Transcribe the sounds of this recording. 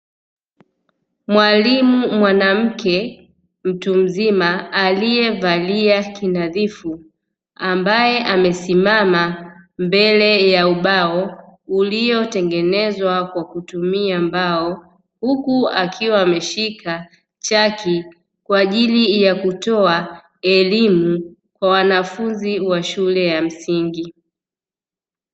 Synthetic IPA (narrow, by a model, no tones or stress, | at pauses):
mwalimumwanam̩kɛ | m̩tum̩zimaːlijɛvaliakinaðifu | ambajɛʔamɛsimamambɛlɛjauɓaɔulijɔtɛŋɡɛnɛzwakwakutumiambaɔ | hukuakʰiwaːmɛʃikʰa | t͡ʃaki | kwaːʄilijakutɔa | ɛlimu | kwawanafunziwaʃulɛjam̩siŋɡi